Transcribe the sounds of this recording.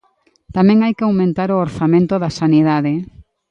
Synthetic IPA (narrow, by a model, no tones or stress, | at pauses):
t̪amɛ̃ŋajkɪawmẽnt̪aɾooɾθamẽnt̪oðasaniðaðɪ